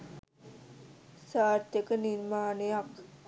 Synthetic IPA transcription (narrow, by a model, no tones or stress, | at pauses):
saːɾt̪jəkəniɾmaːnejak